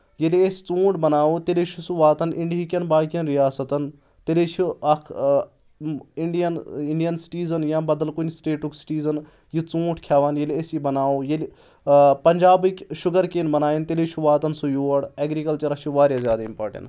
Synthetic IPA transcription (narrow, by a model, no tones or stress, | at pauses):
jeliest͡sũːʈbɐnaːoːt̪elet͡ʃʰusuʋaːt̪ɐnʔiɳɖiɦikʲɐnbaːkijɐnɾijaːsɐt̪ɐn | t̪elet͡ʃʰiɐkʰ | iɳɖijɐniɳɖijɐnsi̥ʈiːzɐnjãːbɐd̪ɐlkunsʈeːʈuksi̥ʈiːzɐn | jit͡sũːʈʰkʰjaːʋaːnjeliesjibɐnaːoːjel | pɐɲʲd͡ʒaːbikʲʃʊɡɐɾkeːnbɐnaːjint̪eleːt͡ʃʰuʋaːt̪ɐnsujoːɐɽeːɡɾikɐlt͡ʃɐɾɐt͡ʃʰiʋaːɾjazjaːd̪aimpaːʈɐ̰ɳ